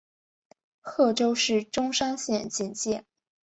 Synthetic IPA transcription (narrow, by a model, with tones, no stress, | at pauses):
xɤ˥˩ʈ͡ʂo˥ʊʂɻ̩˥˩ʈ͡ʂʊ˥ŋʂa˥ŋɕjɛ˥˧nt͡ɕi˥˩nt͡ɕjɛ˥˩